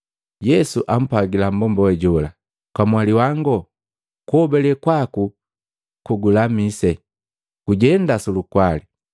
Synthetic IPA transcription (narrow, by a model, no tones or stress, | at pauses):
jɛsuʔam̩paɡilam̩bɔmbɔwɛɟɔla | kwamwaliwaŋɡɔ | kuɔbɛlɛkwaku | kuɡulamisɛ | ɡ̥uɟɛndasulukwali